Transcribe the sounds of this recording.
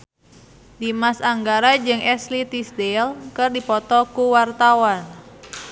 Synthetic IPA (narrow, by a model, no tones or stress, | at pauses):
dimasaŋɡaɾad͡ʒɨŋʔɛslit̪isdelkərdipɔt̪ɔkuwart̪awan